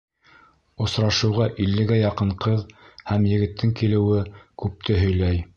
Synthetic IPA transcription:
ŏsɾɑʃɤ̆wʁɑʔilːɘ̆ɡæjɑqɤɴqɤðhæmjɘ̆ɡɘ̆t̪ːɘŋkilɘ̆wɘkʉp̚t̪ʰɘɦɵ̆jlæj

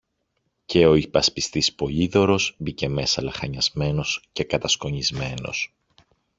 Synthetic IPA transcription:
ce̞o̞ipɐspist̪ispo̞ʎiðo̞ɾo̞zbice̞me̞sɐlɐxɐɲɐzme̞no̞sce̞kɐt̪ɐskoɲizme̞no̞̰s

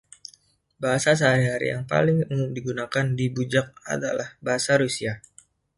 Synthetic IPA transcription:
baɦasas̬əɦaɾiɦaɾḭja̰ŋpa̰lɪŋumʊmdiɡunakandibud͡ʒak̚a̰da̰lahbaɦasaɾusia

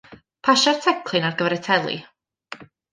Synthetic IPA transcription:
pʰaʃar̥tʰɛkʰlˠɨnarɡəvɛɾɛtʰɛlˠḭ

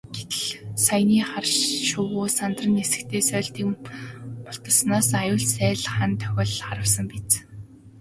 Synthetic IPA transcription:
ɡ̥et̪ɘ̆ɮsajniːχarʃʃʊwʊːsant̪rə̆nesɘ̆kt̪ʰeːsœːɮt̪iːk | mʊɬt̪ə̆ɮsnaːsajʊːɮsæːɮχant̪ʰœ̥xʲɪ̆ɮχaɾə̆wsə̆mpit͡s

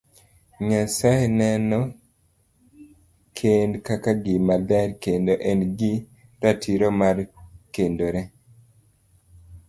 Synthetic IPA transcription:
ɲasaenɛnɔ | kʰendkakaɡimadaɾkendoʔɛnɡi | ɾatʰiɾomaɾkendoɾɛ

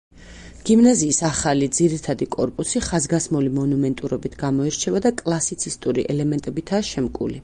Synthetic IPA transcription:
ɡ̥imnaziːsaχalid̪ziɾit̪ʰad̪ikʼɔɾpʼusiχazɡasmulimɔnumɛnt̪ʼuɾɔbit̪ʰɡamɔiɾt͡ʃʰɛvad̪akʼlˠasit̪sʰist̪ʼuɾḭʔɛlɛmɛnt̪ʼɛbit̪ʰaːʃɛmkʼṵli

